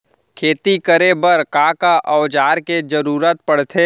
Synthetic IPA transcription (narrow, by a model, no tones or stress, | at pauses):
kʰeːt̪ikəɾebəɾkãːkaʔɔːd͡ʒaːɾked͡ʒəɾuːɾət̪̚pəɽ̤t̪ʰe